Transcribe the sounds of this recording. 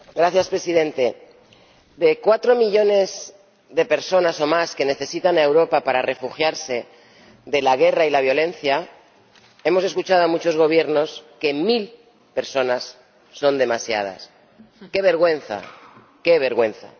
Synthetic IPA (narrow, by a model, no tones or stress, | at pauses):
ɡɾaθjaspɾe̞sið̞ẽ̞nt̪e̞ | d̪e̞kwat̪ɾo̞miʎo̞ne̞z | ðe̞peɾso̞naso̞maske̞ne̞θe̞sit̪anaewɾo̞papaɾare̞fuxjaɾse̞ | ðe̞laɣ̞e̞railaβ̞jo̞lẽ̞nθja | e̞mo̞se̞skut͡ʃaðoamut͡ʃo̞zɣo̞β̞je̞ɾno̞ske̞mil | pe̞ɾso̞nasː | o̞nd̪e̞masja̰ð̞a̰s | ke̞β̞e̞ɾɣwe̞nθa̰ | ke̞βe̞ɾɣwẽ̞nθa̰